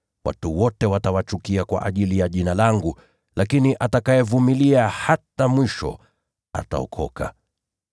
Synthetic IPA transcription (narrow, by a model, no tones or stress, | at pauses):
wʔa̰tuwɔtɛwatawat͡ʃukiakwa̰ʔaʄilijaʄinalaŋɡu | lakiniʔatakaɛvumiliahatamwiʃɔ̰ | a̰ta̰ɔ̰kʰɔ̰kʰa̰